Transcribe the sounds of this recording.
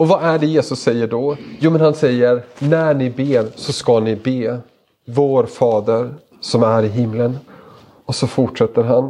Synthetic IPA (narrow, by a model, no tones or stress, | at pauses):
ɔvaʔæɖɛjeːsɵsːɛjːəɖɔjuːmɛnhansɛjːəɾnæɳɪbeːɾsɔskanɪbeː | voːɾfɑːd̪əɾ | sɔmæɾɪɦɪmːlən | ɔsɔfʊʈʂɛt̪ːəɾɦan